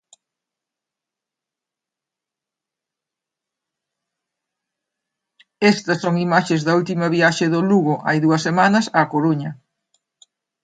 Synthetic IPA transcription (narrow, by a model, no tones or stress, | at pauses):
est̪ɐsːoŋimaʃezðɐult̪imɐβiaʃɪðoluɣʊʔa̰jðuɐsːemanɐsaːkoɾuɲɐ